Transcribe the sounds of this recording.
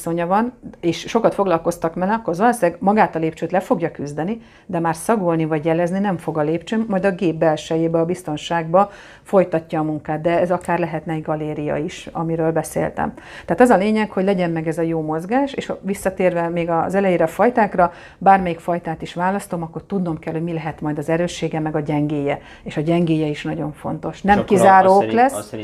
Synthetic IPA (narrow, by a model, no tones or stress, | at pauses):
so̞ɲɒvɒneːʃʃo̞kɒt̪fo̞ɡlɒlko̞st̪ɒkmɛlɒkːorzolosɛɡmɒɡaːt̪ɒleːpt͡ʃøːt̪lɛfoɡjɒkyzd̪ɛni | d̪ɛmaːrsɒɡolnivɒɟjɛlɛzninɛɱfo̞ɡɒleːpt͡ʃøːmːɒjd̪ɒɡeːbbɛlʃɛjeːbɛɒbist̪o̞nʃaːɡ̚bɒ | fo̞jt̪ɒcːɒːmuŋkaːd̪̚d̪ɛɛzɒkaːrlɛɦɛt̪nɛɡɒleːɾijɒ̰iʃɒ̰miɾøːlbɛsḛːlt̪ɛ̰mtt̪ɛaːt̪ɒzɒleːɲɛkho̞ɟlɛɟɛmmɛɡɛzɒjoːmo̞zɡaːʃeːʃʋisːɒt̪eːrvɛmeːɡɒzɛlɛjeːɾɛfɒjt̪aːkrɒ | baːrmɛjikfɒjt̪aːt̪iʃʋaːlɒst̪o̞mɒkːo̞rt̪ud̪no̞mkɛlhoɟmilɛɦɛt̪mɒjd̪ɒzɛɾøːʃːeːɡɛmɛɡɒɟɛŋɡeːjɛ | eːʃɒɟɛŋɡeːjɛiʃnɒɟo̞ɱfo̞̰nt̪o̞ʃnɛmkizaːɾoːklɛsː